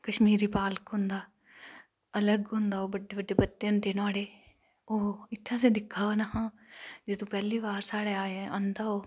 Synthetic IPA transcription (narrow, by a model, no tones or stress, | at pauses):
kəʃmiːɾiːpaːləkɦʊ̃nd̪aː | ələɡɦʊ̃nd̪aːoːbəɖːeːbəɖːeːpət̪ːeːɦʊ̃nd̪eːnaːɽeː | oːɪt̪ʰːãːsẽːd̪ɪkʰːaːnahãː | d͡ʒɪt̪ũːpɛːliːʋaːɾsaːɽeːaːẽənd̪aːɦoː